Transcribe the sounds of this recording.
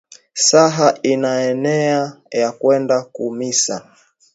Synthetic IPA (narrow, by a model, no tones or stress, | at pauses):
saɦainaɛnɛa | jakwɛndakumisa̰